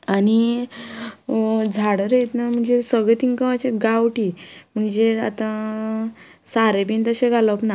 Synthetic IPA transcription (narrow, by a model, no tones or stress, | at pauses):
ani | d͡zʱaɽəɾjet̪nam̤əɳd͡zesəɡɭet̪iŋkə̃at͡ɕeɡawʈim̤əɳd͡zea̰t̪ã | saɾebint̪əɕeɡʱaləpna